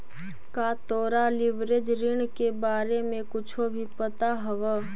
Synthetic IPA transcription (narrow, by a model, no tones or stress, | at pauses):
kaːt̪oːɾalɪʋɾed͡ʒɾɪɳkebaːɾemẽkʊt͡ʃʰobʱipət̪aɦəʋə